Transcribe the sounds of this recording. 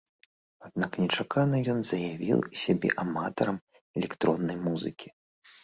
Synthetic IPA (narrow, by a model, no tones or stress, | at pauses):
ad̪̚naknʲɛt͡ʂakʰanɐjɔnzɐjavʲḭwisʲabʲɛ̰ʔamat̪ɐɾɐm | ɛlʲɛkt̪ɾɔnːɐjmuzɨkʲi̥